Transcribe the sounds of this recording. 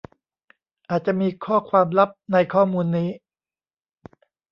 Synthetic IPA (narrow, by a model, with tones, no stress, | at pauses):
ʔaː˨˩t̪̚t͡ɕa˨˩ʔmiː˧kʰɔː˥˩kʰwaː˧mla˦˥p̚na˧jkʰɔː˥˩muː˧nːiː˦˥